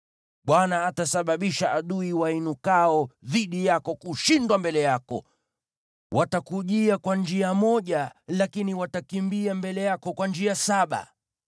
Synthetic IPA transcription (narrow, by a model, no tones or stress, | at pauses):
ɓwanaːtasaɓaɓiʃaʔaɗuiwainukaɔðiɗijakɔkuʃindwambɛlɛjakɔ̰ | wʔatakuʄiakwand͡ʒiamɔʄalakiniwatakimbiambɛlɛjakɔkwand͡ʒiasaɓa̰